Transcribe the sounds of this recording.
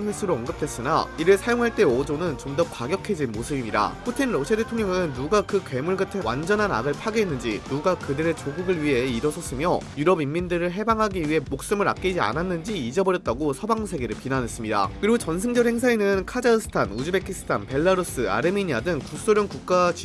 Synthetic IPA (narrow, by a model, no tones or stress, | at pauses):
nwes͈ʰɯɾoʌnɡɯp̚t͈we̞s͈ɯna̰iɾɯɭsʰajoŋɦaɭt͈e̞od͡ʑonɯnt͡ɕomdʌkwaɡjʌkʰe̞d͡ʑinmosʰɯbimɲida̰pʰutʰinɾʌɕʰiadetʰoŋɲjʌŋɯnːuɡakɯkwe̞muɭɡɯtʰewa̰nd͡ʑʌnɦana̰ɡɯɭpʰaɡeenːɯnd͡ʑḭnuɡakɯdeɾet͡ɕoɡuɡɯɭɥiɦe̞iɾʌsʰʌs͈ɯmjʌjuɾʌbimːindɯɾɯɭɦe̞baŋɦaɡiɥiɦe̞mok̚s͈ɯmɯɾa̰k̚k͈id͡ʑia̰nanːɯnd͡ʑiːd͡ʑʌbʌɾjʌt̚t͈aɡosʰʌbaŋsʰe̞ɡeɾɯɭpinane̞s͈ɯmɲida̰kɯɾit͡ɕʌnsʰɯŋd͡ʑʌheŋsʰainɯnkʰad͡ʑaɯsʰɯ̥tʰanud͡ʑɯbe̞kʰis͈ʰɯ̥tʰanpe̞ɭːaɾos͈ɯa̰ɾɯmiɲiadɯŋkus͈oɾjʌŋkuk̚k͈at͡ɕ